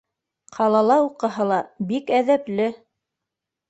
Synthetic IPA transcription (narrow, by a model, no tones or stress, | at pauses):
qʰɑlˠɑlˠɑuqɤ̆ɦɤlˠɑbikæðæplɘ